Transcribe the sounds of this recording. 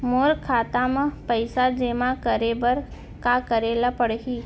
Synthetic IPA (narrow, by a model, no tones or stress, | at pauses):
moːɾkʰaːt̪amãpəɪsad͡ʒeːmãkəɾebəɾ | kakəɾeːlapəɽɦiː